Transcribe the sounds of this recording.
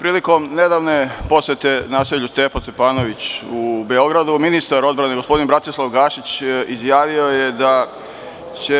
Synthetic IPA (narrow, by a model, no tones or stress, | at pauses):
pɾiːliko̞mne̞d̪aʋne̞po̞sjet̪e̞naːseʎust̪epast̪e̞paːno̞ʋit͡ɕubeo̞ɡɾad̪uminist̪aɾo̞d̪bɾane̞ɡo̞spo̞d̪inbɾat̪islˠaʋɡaːʃit͡ɕizjaːʋio̞je̞d̪a | t͡ɕe